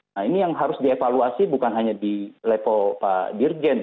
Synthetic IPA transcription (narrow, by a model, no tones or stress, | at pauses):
nainijaŋɦaɾʊsdiefaluasibukanɦaɲadilepɔpa̰bird͡ʒɛn